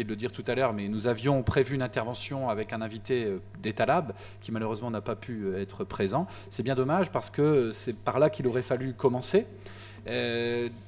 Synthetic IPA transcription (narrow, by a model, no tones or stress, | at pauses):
jed̪ələd̪iʁt̪ut̪alœʁmɛnuzavjɔ̃pχevyːnɛ̃t̪ɛʁvɑ̃sjɔ̃avɛkɛ̃nɛ̃vit̪eø | d̪et̪alabl | kʲimaløʁøzmɑ̃napapʰyøɛt̪χəpχezɑ̃ | sɛbjɛ̃d̪ɔmaʒpaʁsə̥kəsɛpaʁlakilɔʁɛfalykɔmɑ̃se | ø